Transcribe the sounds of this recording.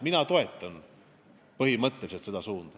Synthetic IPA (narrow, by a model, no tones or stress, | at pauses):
minɑt̪o̞e̞t̪ˑːɑn | pɤɦimɤt̪ːeliset̪se̞d̪̥ɑsuːnd̪̥ɑ